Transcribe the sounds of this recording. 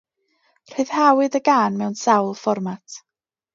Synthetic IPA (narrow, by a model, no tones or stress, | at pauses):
r̥eɨð̥hawɨðəɡaːnmɛwnsawlˠfɔrmatʰ